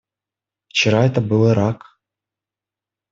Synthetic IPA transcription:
ft͡ɕɪɾɑɛt̪əbɨlˠɤɾɑk

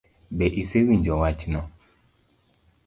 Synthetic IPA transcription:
ɓɛʔisewiɲd͡ʒɔwat͡ʃnɔ

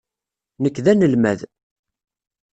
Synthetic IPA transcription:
nəkːðænəlmæð

